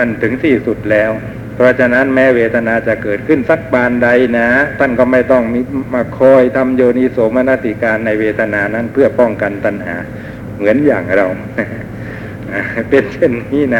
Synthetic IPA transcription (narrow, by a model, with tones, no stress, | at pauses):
a˧˩nt̪ʰɯ˩˦ŋsiː˨˩su˨˩t̪̚lɛː˦˥˩w | pʰɾɔ˦˥t͡ɕʰa˧na˦˥nmɛː˦˥weː˧t̪ʰa˧naː˧t͡ɕa˨˩kɤː˨˩t̪̚kʰɯ˥˩nsa˦˥˩k̚baː˧nda˧jna˦˥t̪ʰa˥˩nkɔː˥˩ma˥˩jt̪ɔ˥˩ŋmi˧˥˩maː˧˩kʰɔː˧˩jt̪ʰa˧mjoː˧niː˧˥so˨˦ma˧na˦˥˩t̪ʰi˧˩kaː˧nːa˧jweː˧t̪ʰa˧naː˧na˦˥npʰɯ˥˩ɐpɔ˥˩ŋka˧nt̪a˧nha̰ː˩˦ | mɯ˩˦ənjaː˨˩ŋɾa˧w | na˦˥ | ʔaː˨˩pe˧nt͡ɕʰe˥˩nːiː˦˥˨na˦˥